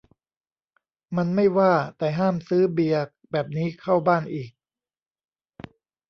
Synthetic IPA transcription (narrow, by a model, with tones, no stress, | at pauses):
ma˧nma˥˩jwaː˥˩t̪ɛː˨˩ɦaː˥˩msɯː˦˥bi˨˩ək̚bɛː˨˩p̚niː˦˥kʰa˥˩wbaː˥˩nʔiː˨˩k̚